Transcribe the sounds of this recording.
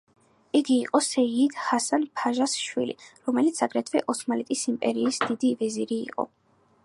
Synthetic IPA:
iɡiːqʼɔsɛiːd̪hasanpʰaʒasʃwḭlḭɾɔmɛlit̪sʰaɡɾɛt̪ʰvɛʔɔsmalɛt̪ʼisimpʼɛɾiːsd̪id̪ivɛziɾḭːqʼɔ̰

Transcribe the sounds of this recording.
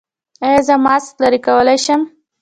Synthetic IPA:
ajɑzəmɑsklaɾikawəlajʃəm

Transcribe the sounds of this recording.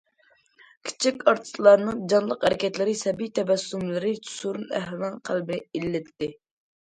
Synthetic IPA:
kʲʰi̥t͡ʃʰikʲɑɾt̪ʰɨ̥slˠɑɾnɨŋd͡ʒɑnlˠəqhæɾɪkʲʰɛt̪lɪɾɪsɛbijt̪ʰɛvɛsːumlɪɾɪt͡ʃ̪ʰsuɾunæ̰hlɪnɨŋqʰælbɪnɪelːɪt̪ːɪ

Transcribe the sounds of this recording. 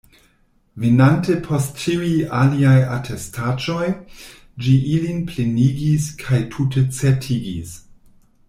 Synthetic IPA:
venantepʰostt͡ʃiwialiajatʰestʰad͡ʒo̞j | d͡ʒiʔilinpleniɡiskʰajtʰutet͡setʰiɡḭs

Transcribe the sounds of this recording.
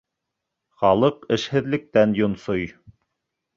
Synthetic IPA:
χɑlˠɤqɘ̆ʃhɘ̆ðlɘ̆k̚t̪ænjŏnsoj

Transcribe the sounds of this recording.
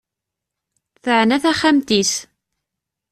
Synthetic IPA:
θəʕnæθæχæmt̪is

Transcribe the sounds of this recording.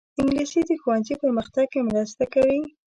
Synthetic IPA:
ɪŋɡlisid̪əxuwanzipəɾməxt̪aɡ̚kemɾast̪akawi

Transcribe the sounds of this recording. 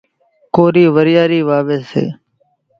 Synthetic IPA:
koːɾiːʋəɾɪjaːɾiːʋaːʋeshḛː

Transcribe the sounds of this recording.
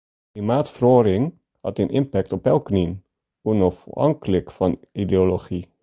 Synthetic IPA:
klimaːtfroːɾɪŋ | hɑ̰tənʔɪmpɛk̚tɔpɛlˠknin | unɔfɑ̰ŋkələkfɑnideoloχi

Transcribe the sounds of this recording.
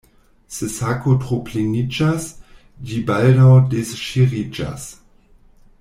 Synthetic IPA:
sesakotʁoplenid͡ʒas | d͡ʒibaldawdesʃiʁid͡ʒa̰s

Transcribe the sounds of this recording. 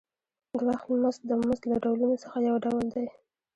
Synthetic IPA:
ɡwaxt̪məzt̪̚d̪əməzt̪laɖawlunosəxajawɖawld̪aj

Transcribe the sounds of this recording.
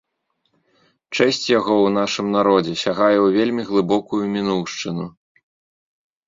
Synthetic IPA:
t͡ʂɛsʲt͡sʲjaɣɔwnaʂɨmnaɾɔd͡zʲɛsʲaɣajɛwvʲelʲmʲiɣlˠɨbɔkujumʲinuwʂt͡ʂɨnu

